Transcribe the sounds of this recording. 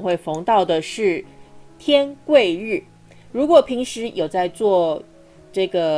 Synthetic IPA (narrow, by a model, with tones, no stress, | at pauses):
ŋxwe˥˩ɪfo˧˥ŋt̪ɑ˥˩ʊd̪ə˩ʂɻ̩˥˩t̪ʰjɛ˥nkwe˥˧ɪɻɻ̩˥˩ | ɻu˧˥kwɔ˨˩pʰi˧˥ŋʂɻ̩˧˥jo˨˩ʊt͡sa˥˧ɪt͡swɔ˥˧ | ʈ͡ʂɤ˥˩ɡə˩